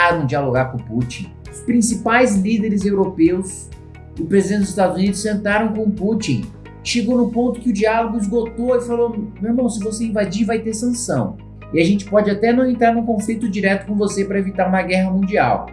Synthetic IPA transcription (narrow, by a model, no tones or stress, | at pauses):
ɾũd͡ʒialoɡaɾkõput͡ʃĩ | ʊspɾĩsipajzlid̪eɾɪzewɾopews | ʊpɾezid̪ẽnɪd̪ʊzɪst̪ad̪ʊzunid̪ʊsẽnt̪aɾɐ̃w̃kõput͡ʃĩ | ɪʃeɡownʊpõnt̪ʊ̥kɪʊd͡ʒialoɡʊizɡot̪oɪfalomẽmɐ̃w̃sɪvoseĩvad͡ʒiɾvajt̪eɾsɐ̃sɐ̰̃w̃ | ɪaʒẽnt͡ʃɪ̥pɔd͡ʒɪat̪ɛnɐ̃w̃ẽnt̪ɾaɾnũkõflit̪ʊd͡ʒiɾɛt̪ʊ̥kõvosepɾɐevit̪aɾũmɐɡɛɦɐmũnd͡ʒia̰w